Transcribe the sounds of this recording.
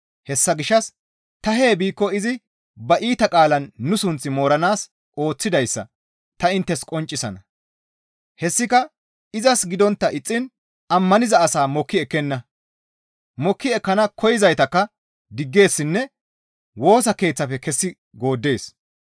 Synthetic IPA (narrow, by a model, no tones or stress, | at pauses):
hɛsːɐɡɪʃːɐs | t̪ɐɦe̞ːbiːkːɔɪzɪ | bɐʔiːt̪ɐkʼaːlɐnːʊsʊnt͡sːɪmo̞ːɾɐnaːs | ʔo̞ːt͡sːɪd̪ɐjsːɐ̰ | t̪ɐɪnt̪ːɛskʼɔnt͡ʃʼːɪsɐnɐ | hɛsːɪkɐ | ɪzɐsɡɪd̪ɔnt̪ːɐʔɪt͡sʼːɪn | ʔɐmːɐnɪzɐːsaːmɔkːɪɛkːɛnːɐ | mɔkːɪɛkːɐnɐkʰɔjɪzɐjt̪ɐkːɐ | d̪ɪɡːe̞ːsːɪnːɛ | wo̞ːsɐke̞ːt͡sːɐfɛkɛsːɪ | ɡo̞ːd̪ːe̞ːs